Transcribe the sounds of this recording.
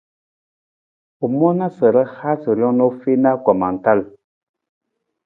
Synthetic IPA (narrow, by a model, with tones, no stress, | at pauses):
u˨mɔ˦na˦sə˨ɾə˦ha˦sə˨ɾjɔ˦ŋno˦fe˦na˦kɔ˨ma˨n̩˨ta˦˨l